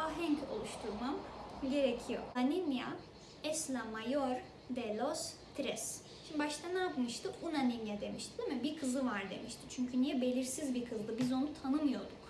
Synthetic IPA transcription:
aɦɛɲco̞̰lˠuʃt̪ʰuɾmamɟe̞ɾecʰijo̞̰animja̰ | ɛslʲamajoɾ | d̪ɛlʲost̪ʰɾɛs | ʃimibaʃt̪ʰanaːpmɯʃt̪ʰɯunanimjad̪e̞miʃt̪ʰid̪imibikʰɯzɯvaɾd̪e̞̰miʃt̪ʰi̥t͡ʃʰyɲcʰynijɛbe̞lʲiɾsizbikʰɯzˠd̪ɯbizo̞nut̪ʰanɯmɯjo̞d̪uk

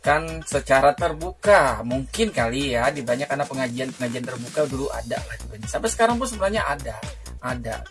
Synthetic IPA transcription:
kansət͡ʃaɾat̪ərbukamuŋkɪnkalijadibaɲakanapəŋad͡ʒianpəŋad͡ʒiant̪ərbukaduluʔa̰da̰lahdibaɲasapasə̥kaɾaŋp̬ʊnsəbənahɲaʔada | ada̰

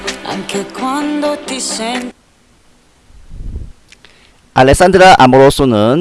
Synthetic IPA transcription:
a̰ŋkekwãnd̪ot̪isen | alesand̪ɾaʔamoɾosunən

